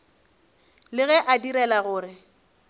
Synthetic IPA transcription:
lɪɣɛʔadiɾɛlaɣʊːɾɪ

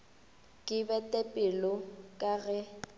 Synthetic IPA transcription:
kʼɪbɛtʼɛpʼɪlɔkʼaɣɛ

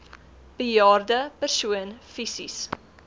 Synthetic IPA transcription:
b̥əjɑːrdəpərsuənfisḭs

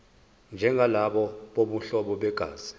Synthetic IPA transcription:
nd͡ʒʱɛŋʱalaɓɔɓoɓuɬɔɓɔɓɛɡ̥ʱa̰ːz̥i

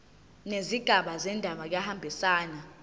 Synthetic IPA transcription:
neziɡ̥ʱaɓazɛndʱaɓak̬jahambʱisaːna

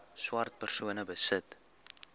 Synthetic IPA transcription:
swɐrt̪̚pərsuənəbəsət

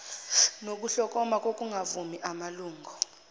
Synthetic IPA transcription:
nok̬ʼuɬɔkʼɔmakʼokʼuŋʱavumiʔamaluːŋɡʱɔ

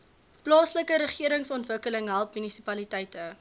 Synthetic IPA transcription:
plɑːsləkəɾəχiəɾəŋsɔntvəkələŋɦælˠpmynisipɐlitɛjtə

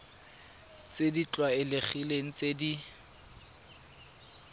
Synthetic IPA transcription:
t͡sedit͡ɬʼwaɪlɪχileŋ̩t͡sedi

